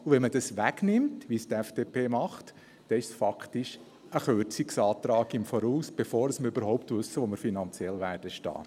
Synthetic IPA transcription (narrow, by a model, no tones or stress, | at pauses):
uʋɛnmədɑsʋæɡ̥nɪmtʋistɛfd̥eːpʰeːmɑχt | d̥ɛɪʃsfɑktɪʃ | əχøɾt͡sɪksɑːtɾɑːɡɪmfɔɾuːsb̥efoːɾəsməɾybəɾɦɔʊptʋɵsːəʋoməɾfinɑnt͡sjɛlʋæːrd̥əʃtɑ̰ː